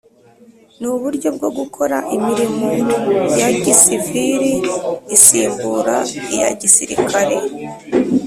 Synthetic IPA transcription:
nuβuɾɟo̞b̚ɡo̞ɡukʰo̞ɾa̰ʔimiɾimo̞jaɟisiviɾiːsiːmbuɾaija̰ɟisiɾḭkʰaɾe̞

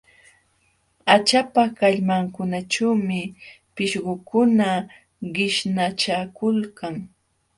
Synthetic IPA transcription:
at͡ʃapakaʎmaŋkʊnaʈ͡ʂawmɪ | pɪʃɢʊkʊna | ɢɪʃnat͡ʃakʊlkaŋ

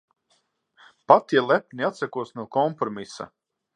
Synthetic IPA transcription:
pat̪jɛlˠæp̚ʲniat̪sɛkuɔsnuɔkɔmpɾɔmisa̰

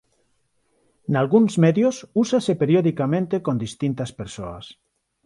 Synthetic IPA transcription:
nalɣunzmɛðjosusasepeɾioðikamẽnt̪ekond̪ist̪int̪aspeɾsoa̰s

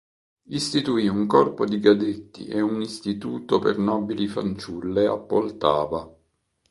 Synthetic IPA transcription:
ist̪it̪uiːuŋkɔrpod̪iɡad̪et̪ːḭʔeunist̪it̪uːt̪opḛrnɔːbilifant͡ʃulːeapːolt̪a̰ːva

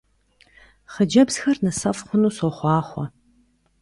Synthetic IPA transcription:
χəd͡ʒɐbz̥xɐrnɨsɐfχʷʊnuːsɔχʷɑːχʷɔ

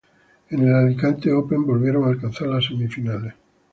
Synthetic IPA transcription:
enelalikant̪eope̞mbo̞lβjeɾo̞ŋalkanθaɾlasemifinale

